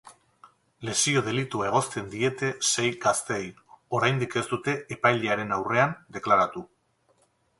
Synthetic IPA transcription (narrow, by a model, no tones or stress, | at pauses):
le̞sio̞ð̞e̞lit̪uae̞ɣ̞o̞st̪e̞nd̪ie̞t̪e̞se̞jɡast̪e̞jo̞ɾajnd̪ike̞st̪ut̪e̞ːpajlʎeaɾe̞nawre̞and̪e̞klaɾat̪u